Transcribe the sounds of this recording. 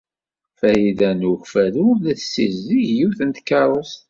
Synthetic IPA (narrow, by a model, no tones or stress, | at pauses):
fæjiðænuxfæðuvðæθsːizːiʝjuθənt̪kːɑɾˤəst̪